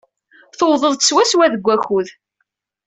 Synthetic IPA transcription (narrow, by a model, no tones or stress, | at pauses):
θowðˤəðˤt̪ə̥swæswæðəɡʷːæxuð